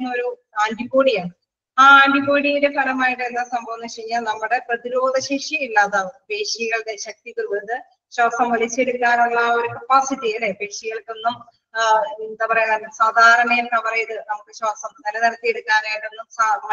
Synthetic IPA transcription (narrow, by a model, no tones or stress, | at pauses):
nːɨo̞ɾu | aːndipo̞ːɽijaːɳɨ | aːndipo̞ːɽijinde̞pɐɽɐmaːjiʈːɨenːɐsɐmbʱɐʋɐnːɨt͡ɕeɾiɲːaːlnɐmːuɽe̞prɐðiɾo̞ːd̪ʱɐɕeːʂiilːaːðaːɨpe̞ːʂiɣɐɭkeɕɐk̚t̪it̪uɭkːunːɐðɨ | ɕaːsɐmʋɐlit͡ɕːe̞ɽukːaːnuɭːɐo̞ɾukɐpaːsiʈːiɣɐlepeːʂiɣɐɭkːo̞nːum | end̪aːpɐrɐjunːsaːd̪ʱaːɾɐɳɐjumnapɐrɐjɐðɨnɐmukːɨɕaːsɐmnɐlɐniɾɐt̪ːijeɽukːaːnaːjiʈːo̞nːumsa